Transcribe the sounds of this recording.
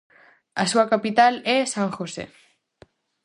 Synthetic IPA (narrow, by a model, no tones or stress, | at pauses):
asuakapit̪alesaŋxosḛ